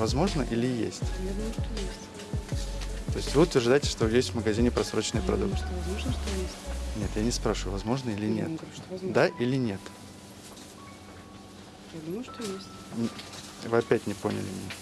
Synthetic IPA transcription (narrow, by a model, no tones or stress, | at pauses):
vɐzmo̞ʐnə̰ʔilʲɪjḛsʲtʲjad̪umʂt̪ojesʲtʲ | t̪o̞ɪsʲtʲvɨʊt̪vʲɪrʐd̪ajɪtʲɪ̥ʂt̪ojesʲt̪ʲvməɡɐzʲinʲɪpɾɐsɾo̞t͡ɕnəjpɾɐ̰d̪uk̪vɐzmoʐnəʂt̪ojenʲe̞t̪janʲɪspɾaʂɨvʊvɐzmo̞ʐnəilʲɪnʲḛt̪d̪aʔilʲɪnʲe̞t̪ | jad̪umjʊʂt̪ojesʲtʲ | vɨɐpʲætʲnʲɪpo̞̰nʲɪ̰lʲɪ̰mʲɪnʲe